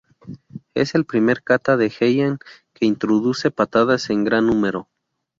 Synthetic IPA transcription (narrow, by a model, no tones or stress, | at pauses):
e̞̰se̞lpɾime̞ɾkat̪aðe̞xejaŋkeint̪ɾoðuse̞pat̪að̞ase̞ŋɡɾanːũme̞ɾo̞